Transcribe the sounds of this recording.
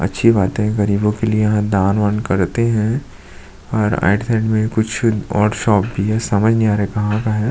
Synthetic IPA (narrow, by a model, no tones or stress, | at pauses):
ɐ̰tːʃʰibaːt̪ẽɦɛ̃ɡɐɾiːbõkeliejɐɦãd̪aːnʋənkɐɾt̪eɦɛ̃ | ɔːɾa̰ːɪɖsɛ̃ːɖmẽkʊt͡ʃʰɔ̰ːɾʈʃɔːp̚bʱiɦɛsɐməd͡ʒʱnĩaːɾaɦɛkɐɦãkaɦɛ